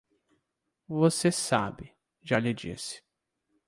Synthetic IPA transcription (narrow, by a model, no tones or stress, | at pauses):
vosesa̰bɪ | ʒaʎɪd͡ʒḭsɪ̥